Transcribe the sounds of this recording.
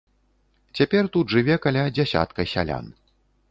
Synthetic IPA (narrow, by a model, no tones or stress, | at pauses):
t͡sʲapʲɛrt̪ud̪ʐɨvʲɛkalʲad͡zʲasʲa̰t̪kɐjsʲa̰lʲa̰n